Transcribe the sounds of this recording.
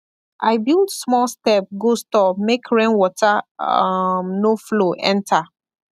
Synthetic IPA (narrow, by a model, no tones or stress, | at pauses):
ʔaɪbilˠdsmɔlstɛp̚ɡostɔpmekʰɹẽnwɔtʰa | mnofloʔɛ̰̃ntʰa